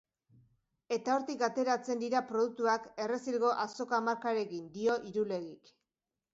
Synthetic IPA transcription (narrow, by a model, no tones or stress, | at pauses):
e̞t̪ao̞ɾt̪ikat̪e̞ɾat͡se̞nd̪iɾapɾo̞ðuk̚t̪uake̞re̞silɣo̞ʔaso̞kamaɾkaɾe̞ɣind̪io̞ʔiɾule̞ɣik